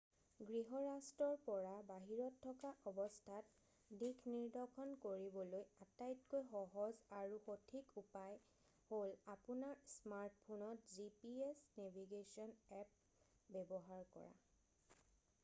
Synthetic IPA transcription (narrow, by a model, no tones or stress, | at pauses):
ɡɹiɦɔɹastɹɔɹpɔɹabaɦiɹɔtʰːɔkaʔɔbɔstʰat | dikʰniɹdʱɔkʰɔnkoɹibɔlojatajtkojxɔɦɔzaɹuxotʰikupaj | holapunaɹsmaɹt̚ʰpʰonɔtzipiesnebʱiɡesiɔnɛp̚ | bɛbɔɦaɹkɔ̰ɹa̰